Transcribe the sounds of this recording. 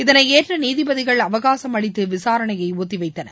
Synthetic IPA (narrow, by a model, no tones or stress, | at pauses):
ɪðɐnɐɪeːʈrɐniːðɪbɐðɪɣɐɭɐʋɐɣaːsɐmɐɽɪt̪ːɯʋɪsaːɾɐɳɐjɐɪoːt̪ːɪʋɐɪt̪ːɐnɐ̰